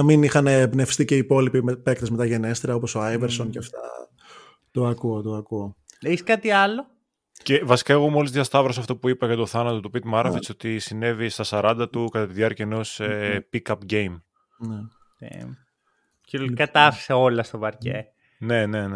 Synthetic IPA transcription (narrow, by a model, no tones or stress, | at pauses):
nɐminixɐnebne̞fst̪iceipo̞lipimpe̞k̚t̪e̞zme̞t̪ɐʝe̞ne̞st̪ɾiɐo̞po̞so̞ajveɾsonceɐft̪ɐ̰ | t̪o̞ɐkuot̪oɐkuoeskɐt̪iɐlo | cevɐsi̥kaeɣo̞muolizðʝɐst̪ɐvɾɐsɐft̪opuipɐʝɐt̪oθɐnɐt̪ot̪upit̪mɐɾɐfesot̪isine̞vist̪ɐsɐɾɐnd̪ɐt̪ukɐt̪ɐt̪iðjɐɾcɐeno̞sepikɐpɟejm | nḛ | cekɐt̪ɐfi̥seo̞lɐst̪ovɐɾcḛ | ne̞nen